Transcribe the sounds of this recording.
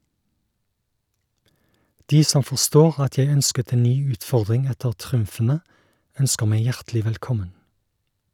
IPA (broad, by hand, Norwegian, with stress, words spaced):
ˈdiː ˈsɔm fɔʁˈstoːʁ ˈɑt ˈjæɪ ˈœnskət ˈeːn ˈnyː ˈʉːtˌfɔʁdʁɪŋ ˈɛtəʁ ˈtʁʉmfn̩ə ˈœnskəʁ ˈmæɪ ˈjæʁtlɪ ʋɛlˈkɔmən